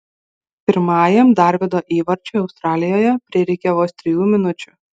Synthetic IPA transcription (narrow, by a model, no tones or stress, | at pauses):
pʲɪɾmɑːjɛmd̪ɑˑɾʲʋʲɪd̪oːʔiːʋɐɾʲt͡ʃʲoːɒʊst̪ɾɑːlʲɪjoːjɛpʲɾʲɪɛɾʲɛkʲɛʋoːst̪ʲɾʲɪjuːmʲɪnʊt͡ʃʲʊ